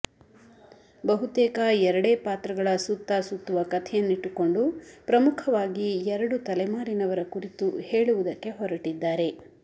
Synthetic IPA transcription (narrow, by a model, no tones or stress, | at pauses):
bɐɦut̪eːkaɛɾɐɽeːpaːt̪ɾɐɡɐɭɐsut̪ːɐsut̪ːuʋɐkɐt̪ʰɛjɐnːiʈːuko̞ɳɖupɾɐmukʰɐʋaːɡiɛɾɐɽut̪ɐlɐjmaːɾinɐʋɐɾɐkuɾit̪uhe̞ːɭuʋud̪ɐkːe̞ɦɔɾɐʈid̪ːaːɾe̞